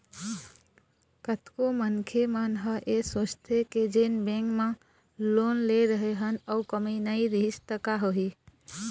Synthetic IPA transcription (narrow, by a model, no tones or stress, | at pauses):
kət̪komənkʰemənɦəʔesoːt͡ʃt̪ʰeked͡ʒeːnbẽŋkmã | loːnleɾəɦeɦənəʊkəminəiɾiɦɪst̪əkaɦoɦi